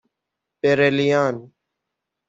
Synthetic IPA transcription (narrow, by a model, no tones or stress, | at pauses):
peːɾeːlijaːn